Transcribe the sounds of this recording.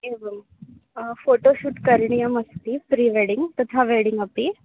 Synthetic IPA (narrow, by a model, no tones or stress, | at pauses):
eːʋɐm | foːʈoːʃuʈkɐɾɳijɐmɐst̪ipɾiːʋeːɽiŋɡt̪ɐt̪ʰaːʋeːɽiŋɡɐpːi